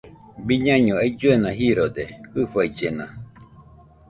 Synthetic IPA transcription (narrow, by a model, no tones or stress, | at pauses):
biɲãɲõeid͡ʒuenãɦiɾod̪ekɨɸaid͡ʒenã̰